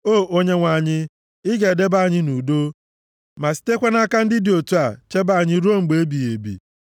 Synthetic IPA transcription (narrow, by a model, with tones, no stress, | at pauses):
o˦˨ʔo˦ɲe˦ŋʷa˨ɲɪ˦ | ɪ˦ɡe˨de˦ba˦˨ɲɪ˦nu˨do˦ | ma˨si̥˨te˦kʷe˦na˦ka˦n̩˦dɪ˦dɪ˨o˨tu˦a˨t͡ʃe˦ba˦˨ɲɪ˦ɾu˦o˦ŋ͡m̩˨ɡ͡be˨e˦bi˨e˨bḭ˨